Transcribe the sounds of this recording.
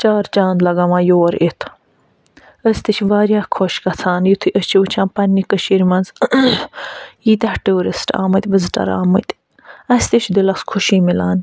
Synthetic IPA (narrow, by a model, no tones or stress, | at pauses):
t͡ʃaːɾt͡ʃãːnd̪lɐɡɐmãːjoːɾit̪ʰ | əsʲt̪it͡ʃʰʋaːɾjaːkʰɔʃkɐt͡sʰaːnjut̪ʰiʔəst͡ʃʰiut͡ʃʰãːnpɐnːikəʃiɾmɐnz | jiːt̪ɐhʈuːɾisʈa̰ːmɨt̪ʲʋəzʈɐ̰ɾa̰ːmɨt̪ | ɐst̪it͡ʃʰd̪ilɐskʰʊʃiːmilaːn